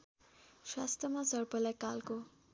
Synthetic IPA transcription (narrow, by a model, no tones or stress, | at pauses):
swa̰st̪ʰrʌmasʌɾpʌlajkalko